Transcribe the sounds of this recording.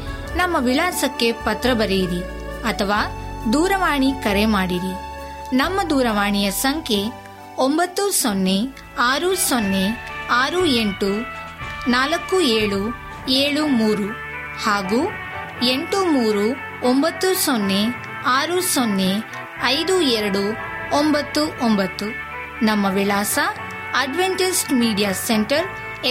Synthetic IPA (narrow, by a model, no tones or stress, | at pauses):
nɐmːɐʋilaːsɐkːe̞pɐt̪ɾɐbɐɾejiɾi | ɐt̪ʰɐʋaːd̪uːɾɐʋaːɳikɐɾemaːɽiɾinɐmːɐd̪uːɾɐʋaːɳijɐsɐŋkʰe̞ | ombɐt̪ːusonːe̞ | aːɾusonːeaːɾue̞ɳʈu | naːlɐkːueːɭu | eːɭumuːɾu | haːɡuː | eɳʈumuːɾu | ombɐt̪ːusonːe | aːɾusonːe | ɐjd̪uɛɾɐɽu | ombɐt̪ːuʔombɐt̪ːu | nɐmːɐʋilaːsɐ | ɐɖʋeɳʈisʈmiːɖijaːseɳʈɐɾ